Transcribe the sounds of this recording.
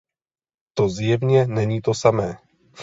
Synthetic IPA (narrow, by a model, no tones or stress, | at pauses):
t̪ozjɛvɲɛnɛɲiːt̪osamɛː